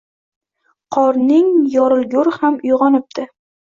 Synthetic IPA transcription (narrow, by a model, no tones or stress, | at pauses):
qʰɒɾnɪŋjɒɾɪlˠɡʲʊɾhamʊjʁɒnɪp̚d̪ɪ